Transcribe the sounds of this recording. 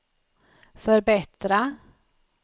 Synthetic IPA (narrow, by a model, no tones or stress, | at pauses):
fœɾbɛt̪ɾa